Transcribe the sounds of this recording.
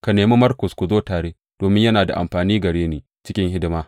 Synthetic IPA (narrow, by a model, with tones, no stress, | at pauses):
ka˨neː˨meː˦mɐ˦rkʊ˨skʷu˨zoː˦taː˨ɽeː˦ | d̥oː˨mɪ˦ɲjɐ˦naː˨da˨ʔa̰˨mɸaː˨niː˦ɡɐ˨ɽeː˦neː˨ | t͡ʃɪ˦kʲɪ˦ŋhɪ˦dɪ˦maː˦